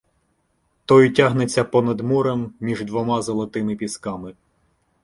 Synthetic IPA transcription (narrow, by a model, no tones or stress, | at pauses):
t̪ɔjtʲaɦnet͡sʲːɐpɔnɐd̪muɾemːʲiʒd̪ʋɔmɑzɔlˠɔt̪ɪmɪpʲiskɑmɪ